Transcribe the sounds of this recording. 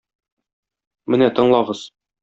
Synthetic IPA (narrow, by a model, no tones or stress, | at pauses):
mɘnæt̪ɤ̆ɴlˠɑʁɤz̥